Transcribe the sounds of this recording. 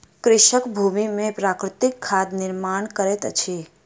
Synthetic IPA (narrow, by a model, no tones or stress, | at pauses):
kɾɪʃəkbʱumimẽpɾakɾɪt̪ɪkʰːad̪nɪɾmaɳkəɾet̪t͡ʃʰe